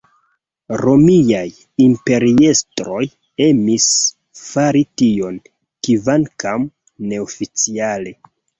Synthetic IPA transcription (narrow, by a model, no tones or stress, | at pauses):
ɾo̞miaj | impe̞ɾie̞stɾo̞j | e̞mis | faɾitio̞n | kivankam | ne̞ofit͡siale̞